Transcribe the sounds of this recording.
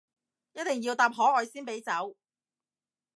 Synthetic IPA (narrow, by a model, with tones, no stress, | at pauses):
jɐ˥t̚t̪ɪ˨ŋji˧wt̪aː˧p̚ɦɔː˨˥ɔː˨˧jsiː˥npe˨˥jt͡sɐ˨˥w